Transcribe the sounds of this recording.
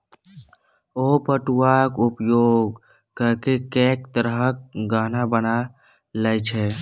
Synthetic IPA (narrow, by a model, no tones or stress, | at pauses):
opəʈuakʊpjoːɡ | kəɾkekeːkt̪əɾɦək̚ɡaːnabəna | lət͡ʃʰɛ